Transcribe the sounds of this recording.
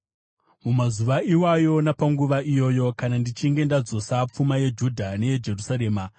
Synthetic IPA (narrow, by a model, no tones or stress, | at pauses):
mumazuʋaiwajo̞napaŋɡuʋaijo̞ːjo̞kanandit͡ʃiŋɡe̞ndad͡zo̞sap͡fumaje̞d͡ʒudʱane̞je̞d͡ʒe̞rusaɾe̞ːma